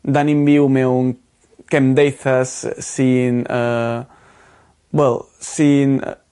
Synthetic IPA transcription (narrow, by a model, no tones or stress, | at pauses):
d̪anĩmbiwmɛwŋ | kɛmd̪ejθasːinə | wɛl | sin̰